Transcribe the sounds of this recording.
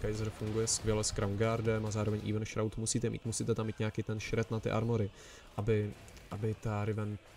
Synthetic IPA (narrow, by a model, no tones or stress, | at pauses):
kajzɾfuŋɡujɛskvjɛlɛskɾawŋɡaɾdɛmazaːɾovɛɲʔḭːvənʃɾawt̪musiːt̪ɛmḭːt̪musiːt̪ɛt̪amːiːt̪ɲakit̪ɛnʃɾɛt̪nat̪ɪ̰ʔa̰ɾmoɾɪ | ʔabɪ | ʔabɪt̪aɾɪvɛn